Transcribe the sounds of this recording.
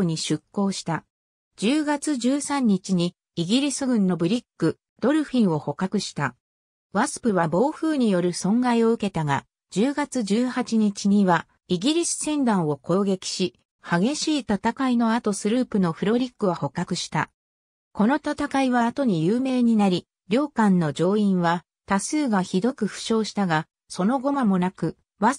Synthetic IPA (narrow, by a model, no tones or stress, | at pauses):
ɲ̟iɕɨkːo̞ːɕi̥t̪a | d͡ʑɨːɡat͡sɨʑɨːsãɲ̟ːit͡ɕiɲ̟iː | ɡʲiɾʲisɨɡɯ̟̃nːo̞bɯ̟ɾʲikːɯ̟ | d̪̥o̞ɾɯ̟ɸʲĩɰ̃o̞ho̞kakɯ̟ɕi̥t̪a | βasɨ̥pɯ̟βabo̞ːɸɯ̟ːɲ̟ijo̞ɾɯ̟sõ̞ŋɡaio̞ɯ̟ke̞t̪aɡa | d͡ʑɨːɡat͡sɨʑɨːhat͡ɕiɲ̟it͡ɕiɲ̟iβa | iɡʲiɾʲisɨ̥sẽ̞nd̪ãɰ̃o̞ko̞ːɡe̞kʲi̥ɕi | haɡe̞ɕiːt̪at̪akaino̞at̪o̞sɨɾɯ̟ːpɯ̟no̞ɸɯ̟ɾo̞ɾʲikːɯ̟βaho̞kːakɯ̟ɕi̥t̪a | ko̞no̞t̪at̪akaiβaːt̪o̞ɲ̟ijɯːme̞ːɲ̟inaɾʲi | ɾʲo̞ːkãnːo̞d͡ʑo̞ːĩɰ̃βa | t̪asɨːɡaçid̪o̞kɯ̟ɸɯ̟̥ɕo̞ːɕi̥t̪aɡa | so̞no̞ɡo̞mamo̞nakɯ̟ | βa